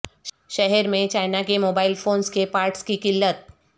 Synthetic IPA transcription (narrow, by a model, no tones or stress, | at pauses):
ʃɛɦɛɾmẽt͡ʃaːɪnakemoːbaːɪlfʰoːnskepaːɾʈskikɪlːət̪̚